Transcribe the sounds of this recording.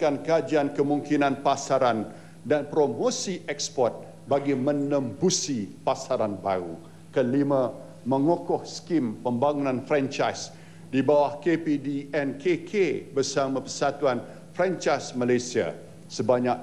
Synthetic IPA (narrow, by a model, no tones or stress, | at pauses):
kankəad͡ʒiankəmũŋkinãnpasaɾan | danpɾomosiʔɛkspɔrt̪̚ | baɡimə̃nəmbusipasaɾanbaɾṵ | kəlimã | mə̃ŋokɔhskimpəmbaŋunãnfɾɛnt͡ʃajs | dibawahkepidiɛnkʰekʰebərsamãpəsat̪uan | fɾɛnt͡ʃasmalasia̰ | səbaɲak̚